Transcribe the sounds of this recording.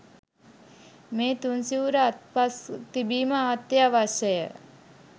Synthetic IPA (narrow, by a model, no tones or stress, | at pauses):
meːt̪unsiuɾəat̪̚past̪ibiːməaːt̪jaʋaʃəjə̰